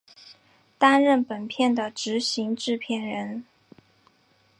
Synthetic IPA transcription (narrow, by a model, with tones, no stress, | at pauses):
t̪a˥nɻə˥˩npə˨˩npʰjɛ˥˩nd̪ə˩ʈ͡ʂɻ̩˧˥ɕi˧˥ŋʈ͡ʂɻ̩˥˧pʰjɛ˥˩nɻə˧˥n